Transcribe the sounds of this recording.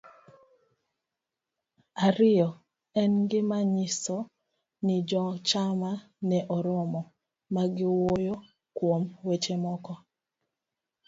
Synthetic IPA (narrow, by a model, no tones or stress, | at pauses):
aɾɪjɔ | ɛnɡɪmaɲiso | nɪd͡ʒɔt͡ʃama | nɛʔɔɾɔmɔ | maɡɪwojo | kwomwet͡ʃemɔkɔ